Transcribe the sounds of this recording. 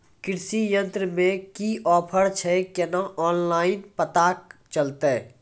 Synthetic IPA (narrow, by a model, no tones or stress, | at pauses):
kɪɾsijə̃nt̪ɾəmẽkiʔɔːpʰəɽt͡ʃʰɛkɛnaʔɔːnlaːɪnpət̪aːk̚t͡ʃəlt̪e